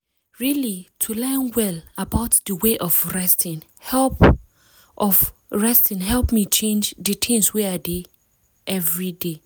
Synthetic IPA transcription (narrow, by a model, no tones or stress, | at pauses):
ɹilitʰulɛ̃nwɛlabaʊtdəweʔɔfɹɛstɪ̃n | hɛlp | ɔfɹɛstĩnɦɛlˠpmit͡ʃʰẽnd͡ʒdɨtʰɪ̃mswiade | ʔɛvɹide